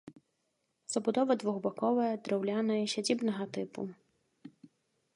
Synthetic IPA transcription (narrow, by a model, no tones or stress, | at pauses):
z̥ɐbud̪ɔvɐd̪vuɣbakɔvɐjɐd̪ɾɛwlʲanɐjɐɕʲad͡zʲibnɐɣɐt̪ɨpṵ